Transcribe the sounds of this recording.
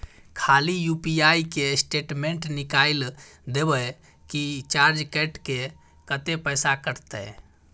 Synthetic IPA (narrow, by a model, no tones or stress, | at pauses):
kʰaːlijupiaikesʈeːʈmẽɳʈnɪkaild̪ebə | kit͡ʃaːɾd͡ʒkɛʈke | kət̪epəjsakəɾt̪ɛ̰